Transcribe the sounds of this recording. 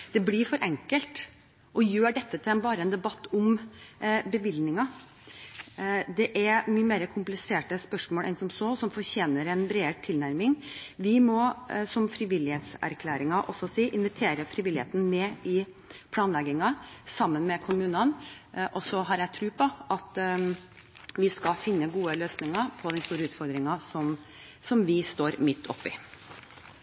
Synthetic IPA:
d̪̥ɛblɪɾfɔɾʔɛŋkəlt̪ | ʔɔjøːɖɛt̪ːət̪ʰɪlɛnbɑːɾəɛnd̪ɛbɑt̪ːʊm | bəʋɪlnɪŋɑ | d̪ɛʔæɾmyːəmeːɾəkʰʊmplɪseːʈəspœʂmoːlʔɛ̰nsɔmsoːsɔmfɔɾçeːnəɾɛnbɾeːt̪ʰɪlnæɾmɪŋʋɪmɔsɔmfɾɪʋɪlɪhet̪sæ̰ɾkʰlæːɾɪŋɑʔɔsːɔsiːʔɪnʋɪt̪ʰeːɾəfɾɪʋɪlɪhḛːt̪n̩mɛːɪ | pʰlɑːnlɛɡɪŋɑsɑmːənmɛkʰʊmʉːnɑnʔɔsɔɦɑɾjɛt̪ʰɾʉːpʰɔʔɑt̪ | ʋɪskɑfɪnːəɡuːəløːsnɪŋɑpʰɔd̪ɛnst̪uːɾəʉːt̪fɔɾd̪ɾɪŋɑsɔm | sɔmʋɪst̪oːɾmɪt̪ʰːɔ̰pːɪ

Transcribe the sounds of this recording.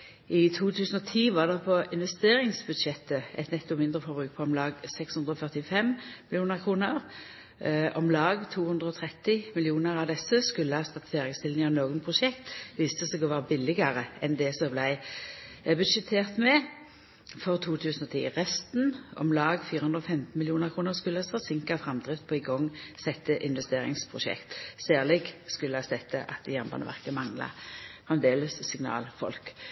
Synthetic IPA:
ʔɪt̪ʰuːt̪ʰʉːsn̩ɔt̪ʰiːʋɑːʁd̪ɛpʰɔɪnʋɛst̪eːʁɪŋsbʉd̪ʃɛt̪əʔɛ̰t̪nɛt̪ːɔmɪnd̪ʁəfɔʁbʁʉːk̚pʰɔɔmlɑːɡsɛkshʉnd̪ʁɔfœʁt̪ɪfɛmmɪlɪjuːnəʁkʰʁuːnəʁ | ɔmlɑːɡt̪ʰuːhʉnd̪ʁəɔt̪ʰʁɛt̪ːɪmɪlɪuːnəʁɑʋd̪ɛsːəskʉlːəhɑst̪ɑt̪feːɾɪɡst̪ɪlnɪŋənoːɡənpʰʁʊʃɛkt̪ʋiːst̪əsɛɡɔʋɑːʁəbɪlːɪɡəʁəɛnd̪ɛsɔblæɪ | bʉd̪ʃət̪ʰeːʁt̪mɛ | fɔʁt̪ʰuːt̪ʰʉːsn̩ɔt̪ʰḭːʁɛst̪nɔ̰mlɑːɡfiːɾəhʉnd̪ʁɔfɛmt̪n̩mɪljuːnəʁkʰʁuːnəʁskʉlːəhɑsfɔsɪŋkɑfʁɑmd̪ʁɪft̪̚pʰoːɪɡɔŋsɛt̪ːəʔɪnʋɛst̪eːɾɪ̰ŋspʰʁʊʃɛ̰kt̪sæːʁlɪɡskʉlːəɑsɛt̪ːəʔɑ̰t̪̚d̪ɪjɑmbɑ̰nə̰ʋæ̰ʁkəmɑŋlɑ̰fʁɛmd̪eːləsːɪŋnɑ̰ːlfɔ̰lk

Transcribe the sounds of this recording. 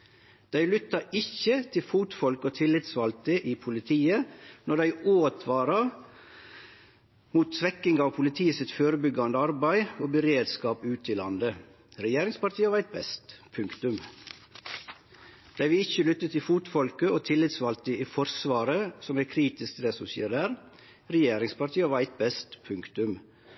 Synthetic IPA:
d̪̥æɪlʏt̪ɑɾɪçət̪ʰɪlfuːt̪fɔlkoːt̪ʰɪlːɪt̪sʋɑlt̪əʔiːpʰʊlɪt̪ʰiːənɔd̪æɪoːt̪ʰʋɑːɾɑ | muːt̪sʋɛkɪŋɑːʋpʰʊlɪt̪ʰiːəsɪt̪føːɾəbʏɡɑnd̪əɑɾbæɪoːbəɾeːd̪skɑːpʉːt̪ɪlɑ̰nd̪ə | ɾɛjeːɾɪŋspɑɾʈt̪ʰiːəʋɑɾæɪt̪̚bɛst̪pʰʉŋkt̪ʉm | d̪̥æʋɪːɪçəlʏt̪ːət̪ʰɪfuːt̪fɔlkəoːt̪ʰɪlːɪt̪sʋɑlt̪əiːfɔɾsʋɑːɾəsɔmæːkʰɾiːt̪ɪskt̪d̪ɛːsɔsḭːd̪æːɾ | ɾɛjeːɾɪŋspɑɾʈ̪ʰiːəʋɑɾæɪt̪̚bɛst̪pʰʉŋkt̪ʉm

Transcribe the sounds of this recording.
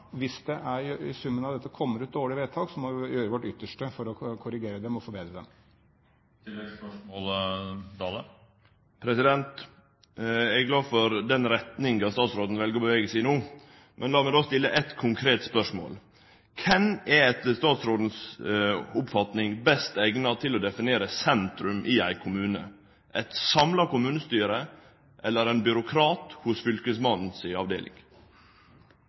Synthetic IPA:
ʋɪsd̪ɛʔæɾɪsʉmːənɑʋd̪ɛt̪ːəkʰɔmːəɾʉːt̪̚d̪oːɪʋeːt̪ʰɑːɡsɔmɔjøːɾəʋɔʈːʏt̪ːəʂʈəfɔɾɔkʰʊɾɪɡeːɾəd̪ɛmɔfoːɾbeːd̪ɾəd̪ɛm | olt̪ʰɑːlə | pʰɾɛsɪd̪ɛnt̪ | ɛɡɡlɑːfɔɾd̪ɛnɾɛt̪nɪŋɡɑst̪ɑːt̪sɾoːd̪n̩ʋɛlɡəɾɔbəʋeːɡəsɛɪnuː | mʔɛnlɑːmɛd̪oːst̪ɪlːəʔɛt̪kʰʊŋkʰɾeːt̪spœʂmo̰ːl | kʰɛnɛɛt̪st̪ɑːt̪sɾoːd̪n̩s | ʊpfɑt̪nɪŋbɛst̪ɛɡnɑt̪ʰɪlɔd̪ɛfɪneːɾəsɛnt̪ɾʉmʔɪæɪkʰʊmʉːnə̰ | ʔæt̪sɑmlɑkʊmʉːnəst̪yːɾə | ʔɛlːəɾæɪnbʏɾʊkʰɾɑːt̪hʊsfʏlkəsmɑnn̩sɪɑʋd̪ḛːlʔɪ̰ŋ

